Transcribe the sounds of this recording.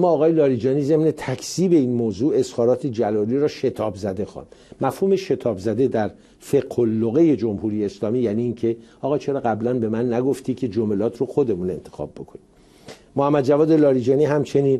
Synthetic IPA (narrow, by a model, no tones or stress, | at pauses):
mɒːɣɒːjelɒːɾid͡ʒɒːniːze̞mne̞t̪ʰækʰsiːbe̞iːnmoːzuːe̞z̥hɒːɾɒːt̪ʰed͡ʒælɒːliɾɒːʃe̞t̪ʰɒːbzæd̪e̞xɑ̰ːnd̪̥mæfhuːme̞ʃe̞t̪ʰɒːbzæd̪e̞d̪æɾ | fe̞ɡholːoɣe̞je̞d͡ʒomhuːɾijeːslɒːmiːjæːniːnkʰe̞ɒːɣɒːt͡ʃʰe̞ɾɒːɣæblænbe̞mænːæɡoft̪iːcʰe̞d͡ʒomelɒːt̪ʰroxo̞d̪e̞mune̞̰nt̪ʰe̞̥xɒ̰ːb̚ːo̞kʰo̞ni | mohæmːæd̪̚d͡ʒævɒːd̪elɒːɾid͡ʒɒːniːɦæmt͡ʃʰe̞niːn